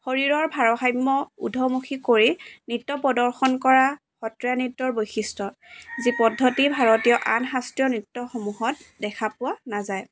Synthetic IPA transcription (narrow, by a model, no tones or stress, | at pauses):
xoɹiɹɔɹbʱaɹɔxajmːɔṵdʱɔmuxʰikoɹinitːɔpɔdɔɹxɔnkɔɹa | xɔtɹijanitːɔɹbojxistɔzipɔdʱːɔtibʱaɹɔtijɔʔanɦastijɔnitːɔxɔmuɦɔt̚dɛkʰapʊanazaj